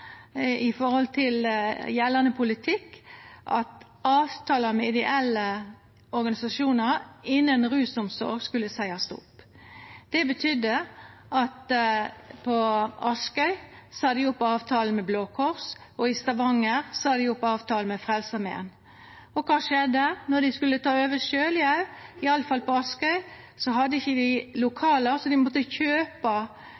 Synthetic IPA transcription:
ɪfɔʁhɔlt̪ʰɪljɛlːənəpʰʊlɪt̪ʰɪkːʔɑ̰t̪ | ɑːʋt̪ʰɑːləmɛɪd̪ɛʔɛlːə | ɔɾɡɑnɪsɑʃuːnəɾɪnːənʁʉːsɔmsɔ̰ɾɡskʉlːəsæɪɑst̪ʊ̰p | d̪̥ɛbət̪ʰʏd̪əʔɑt̪ | pʰɔɑskœʏsɑːd̪ɪʊpːɔɑːʋt̪ʰɑːlənmɛbloːkʰɔʁs | ɔɪst̪ɑʋɑŋːəɾsɑːd̪ɪʊpːɔɑːʋt̪ʰɑːlmɛfʁɛlsəmɛ̰ːn | ɔkʰɑːʂɛd̪ːənɔd̪ɪskʉlːət̪ʰɑːøːʋəʃøːljæʉɪɑlːəfɑlpɔɑskœʏ | sɔɦɑd̪ːəɪçːəd̪ɪlʊkʰɑːləɾsɔd̪ɪmɔt̪ːəçøːpɑ

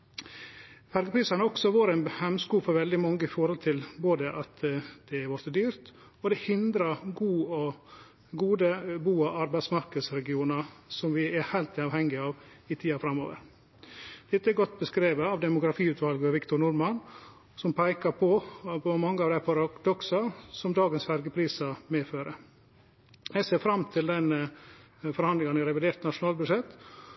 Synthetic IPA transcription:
fæɾɡəpʰɾiːsɑnəɔksɔʋoːɾæɪnhɛmskuːfɔɾʋɛld̪ɪmɑŋːəɪfɔɾhɔlt̪ʰɪlboːd̪əʔɑt̪d̪̥ɛæɾʋɔɾt̪əd̪yːɾt̪ | ɔd̪ɛhɪnd̪ɾɑɾɡuːɔ | ɡuːd̪əbuːɑɑɾbæɪsmɑɾkəd̪sɾɛɡɪuːnɑsɔmʋɪɛhæɪlt̪ɪɑːʋhɛŋɡɪɑːʋ | ɪt̪ʰiːɑfɾɑmːo̰ːʋə̰ɾ | d̪̥ɛt̪ːəɛɾɡɔt̪ːbəskɾeːʋəɑʋd̪ɛmʊɡɾɑfiːʉːt̪ʰʋɑlɡəɑʋɪkt̪ʊɾɳnʊɾmɑn | sɔmpʰæɪkɑpʰɔpɔmɑŋːəɑːʋd̪æɪpʰɑɾɑd̪ɔksɑsɔmd̪ɑːɡənsfæɾɡəpʰɾiːsɑmeːføːɾə | jæseːɾfɾɑmt̪ʰɪld̪ɛnə | fɔɾhɑnlɪŋɑnɪɾɛʋɪd̪eːɾt̪nɑʂʊnɑːlbʉd̪ʂɛt̪ː

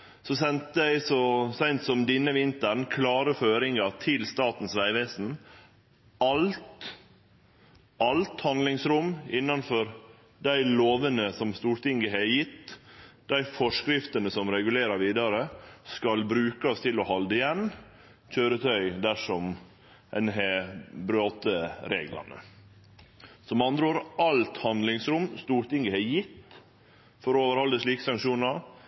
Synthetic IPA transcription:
sɔsɛnt̪əæɪsɔsæɪnt̪sɔmd̪ɪnːəʋɪnt̪əɳkʰlɑːɾəføːɾɪŋɑt̪ʰɪlst̪ɑːt̪n̩sʋæɪʋeːsn̩ | ɑlt̪ | ʔɑlt̪hɑnd̪lɪŋsɾʊmːɪnːɑnfɔɾ | d̪æɪloːʋənəsɔmst̪uːɾt̪ɪŋɡəɦæjɪt̪ːd̪̥æɪfɔʂkɾɪft̪ənəsɔmɾɛɡʉleːɾɑɾʋiːd̪ɑɾəskɑlbɾʉːkɑst̪ʰɪlɔhɑld̪əɪjɛn | c͡çøːɾət̪ʰœʏd̪æʂɔm | ɛ̰nɦɛbɾoːt̪əɾḛːɡlɑ̰nə̰ | sɔmɑnd̪ɾoːɾɑlt̪hɑnd̪lɪŋsɾʊmst̪uːɾt̪ɪŋɡəhɛjɪt̪ː | fɔɾɔoːʋəɾhɔld̪əʂliːkə̥sɑŋkʃuːnɑɾ

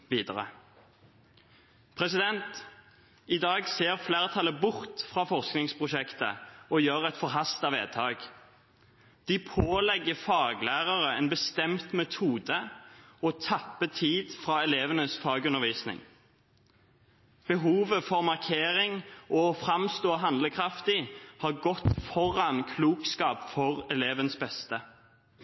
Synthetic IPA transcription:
ʋiːd̪əʁə̰ | pʰʁɛsɪd̪ɛnt̪ | ɪd̪ɑːɡseːʁfleːʁət̪ʰɑlːəbʊʁt̪fʁɑːfɔʁsknɪŋspʰʁʊʃɛkt̪ə̰ɔjøːʁɛt̪fɔʁɦɑst̪ɑʋḛːt̪ʰɑːɡ | d̪̥ipʰoːlɛɡəfɑːɡlæːʁəʁəɛnbəst̪ɛmt̪mɛt̪ʰuːd̪əɔt̪ʰɑpːət̪ʰiːd̪fʁɑːɛleːʋənəsfɑːɡʉnəʁʋiːsnɪ̰ŋ | b̥əɦuːʋəfɔʁmɑʁkʰeːʁɪŋɔfʁɑmst̪oːɦɑnd̪ləkʰʁɑft̪ɪhɑːʁɡɔt̪fɔʁɑnkʰluːkskɑːpfɔʁɛleːʋənəsbɛst̪ə

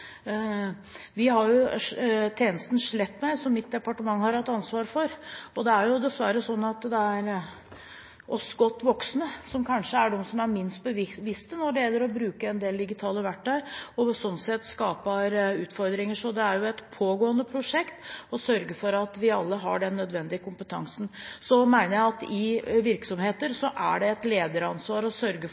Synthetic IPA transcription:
ʋɪhɑɾjʊʂt̪ʰeːnəst̪n̩ʂɭɛt̪ːmæɪsɔmːɪt̪̚d̪ɛpɑʈəmɑŋːhɑɾhɑt̪ːɑnsʋɑːɾfɔɾɔd̪ɛæɾjʊd̪ɛsʋæɾəsɔnːɑt̪d̪ɛæɾ | ʔɔsɡɔt̪ːʋɔksnəsɔmkʰɑnʂəæɖɔmsɔmæɾmɪnst̪̚bəʋɪʋɪst̪ənɔɖɛjɛlːəɾɔbɾʉːkəɛnd̪eːld̪ɪɡɪt̪ʰɑːləʋæʈʰːœʏɪɔsɔnːsɛt̪skɑːpɑɾʉːt̪fɔɾd̪ɾɪŋəʂɔd̪ɛæɾjʊɛt̪pʰoːɡoːənd̪əpʰɾʊʂɛkt̪ɔsœɾɡəfɔɾɑt̪ʋɪɑlːəɦɑ̰ɖɛnːœd̪ʋɛnd̪ɪəkʊmpət̪ʰɑ̰ŋsnsɔmæɪnəjæɪɑt̪ɪʋɪɾksɔmheːt̪əɾsɔʔæ̰ɖɛːt̪leːd̪əɾɑnsʋɑːɾɔsœɾɡə

